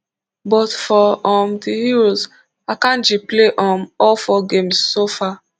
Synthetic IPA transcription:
bɔtfɔɔmdihiɹoz | akãnd͡ʒipleʔɔ̃mɔlfɔɡemsːofa

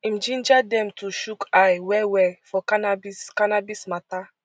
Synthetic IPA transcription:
ĩmd͡ʒĩnd͡ʒadɛ̃mtʰuʃukʰajwɛwɛfɔkanabiskanabismata

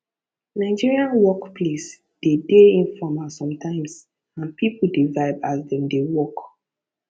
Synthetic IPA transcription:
naɪd͡ʒiɹiãnwɔkpʰles | d̥edeĩnfɹɔ̃masɔ̃mtʰãɪ̃ms | ãnpʰipʰuldivaɪvasdɛ̃mdewɔk

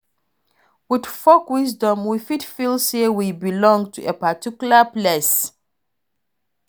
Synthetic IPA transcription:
widfɔkwis̬dɔ̃mwifitfilˠsewibilɔ̃ŋɡtʰuepatikjulaples

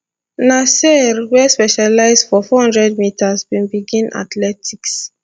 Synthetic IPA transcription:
nasɛɾwɛspɛʃalaɪzdfɔfɔhɔ̃ndɹɛd̚mitʰazbĩnbiɡĩnʔa̰tlɛtʰiks

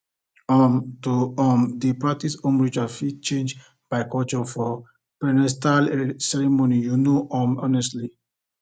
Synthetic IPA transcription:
ɔmtuɔmdipɹak̚tisõmɹid͡ʒafit͡ʃẽnd͡ʒ | b̥aɪkɔlt͡ʃɔfɔ | pɛnɛstalsɛɹimonijunoʔɔ̃mɔnɛstli

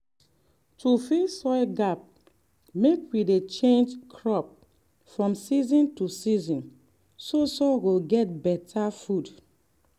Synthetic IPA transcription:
tufisɔɪɡap̚ | mekwidet͡ʃẽnd͡ʒkʰɹɔp̚ | fɹɔ̃msizɔ̃ntusizɔ̃n | sosɔɡoɡɛt̚bɛtʰafud

